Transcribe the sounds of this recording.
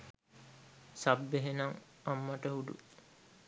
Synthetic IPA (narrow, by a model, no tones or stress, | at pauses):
sabːeɦenaŋamːaʈəɦud̪ṵ